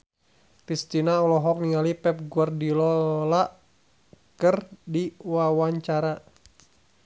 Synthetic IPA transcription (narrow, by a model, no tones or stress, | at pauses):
kɾist̪inaɔlɔɦɔk̚niŋalipɛp̚ɡuardilɔlaʔ | kərdiwawaɲt͡ʃaɾa